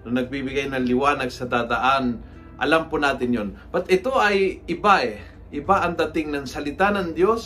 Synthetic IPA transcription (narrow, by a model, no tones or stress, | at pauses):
nɐnɐɡ̚bibɪɡajnɐŋlɪwaːnɐɡsɐd̪aːd̪ɐʔan | ʔɐ̰lampʊnaːt̪ɪnjonpɐt̪ʔɪt̪o̞ɐjʔɪbaʔɛ | ʔɪbaʔɐŋd̪ɐt̪ɪŋnɐŋsɐlɪt̪anɐŋd̪jos